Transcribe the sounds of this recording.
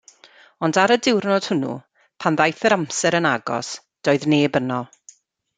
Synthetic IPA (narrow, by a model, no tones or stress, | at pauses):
ɔndaɾədɪwrnɔd̥hʊnṵ | pʰanðajθəɾamsɛɾənaɡɔ̰s | d̥oːɨðneːbənɔ